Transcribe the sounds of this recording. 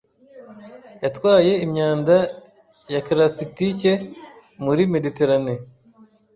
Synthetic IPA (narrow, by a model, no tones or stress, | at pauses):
jatwaːje̞imɲaːnda | jakiɾasitice̞ | muɾime̞dite̞ɾane